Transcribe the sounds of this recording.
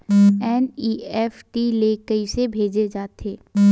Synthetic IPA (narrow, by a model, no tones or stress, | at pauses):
ɛːniːɛːfʈileːkəisebʱeːd͡ʒed͡ʒaːt̪eː